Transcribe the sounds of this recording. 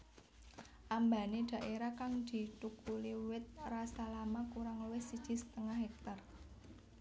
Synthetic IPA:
ʔamba̤ned̪̥ä̤ʔeɾakaŋd̪̥i̤t̪ukuliwɪt̪̚rasalamakuɾaŋluwɪsid̥ʒ̥i̤sə̥t̪əŋaɦɛk̚t̪ar

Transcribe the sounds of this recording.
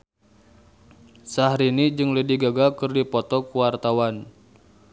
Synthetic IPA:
sahɾinid͡ʒɨŋlidiɡaɡakɨrdipɔt̪ɔkuwart̪awan

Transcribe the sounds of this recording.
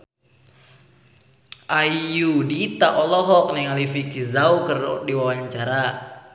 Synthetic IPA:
ʔaijudit̪aʔɔlɔɦɔk̚nɛŋalifikizaukərdiwawaɲt͡ʃaɾa

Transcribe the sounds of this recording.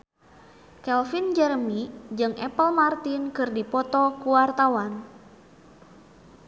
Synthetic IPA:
kɛlfind͡ʒɛrmid͡ʒɨŋʔɛpəlmart̪inkɨrdipɔt̪ɔkuwart̪awan

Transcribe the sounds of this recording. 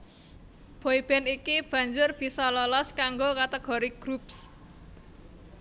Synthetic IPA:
b̥oib̥ɛnikib̥ä̤ɲd͡ʒʊrb̥i̤sɔlɔlɔskaŋɡokat̪əɡ̥ɔ̤ɾiɡ̥ɾups

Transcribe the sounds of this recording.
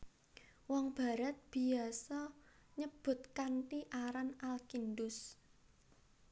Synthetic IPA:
wɔŋb̥a̤ɾat̪̚b̥i̤asɔɲəb̥ʊ̤t̪kanʈ̪iʔaɾanalkindʊs

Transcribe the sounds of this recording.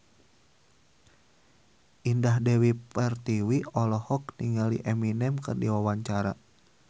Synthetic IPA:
ʔindahdɛwipɛrt̪iwiɔlɔhɔk̚niŋalḭʔɛminɛmkɨrdiwawaɲt͡ʃaɾa̰

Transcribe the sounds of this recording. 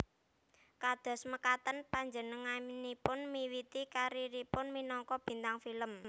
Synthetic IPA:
kad̪̥ɔ̤sməkat̪ənpaɲd͡ʒənəŋanipʊnmiwit̪ikaɾiɾipʊnminɔŋkɔb̥i̤nt̪aŋfiləm

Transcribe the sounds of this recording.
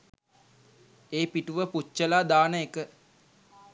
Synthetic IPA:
eːpiʈuʋəput͡ʃːəlaːd̪aːnəekə

